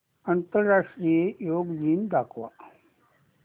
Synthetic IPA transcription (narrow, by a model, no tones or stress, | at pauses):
ɐnt̪əɾaːʂʈɾijejoːɡd͡ʒiːnd̪aːkʰʋa̰ː